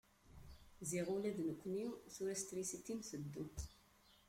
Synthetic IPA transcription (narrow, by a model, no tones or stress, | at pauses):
ziʁulæðnəkʷːniθuɾæst̪ɾisit̪imθəd̪ːu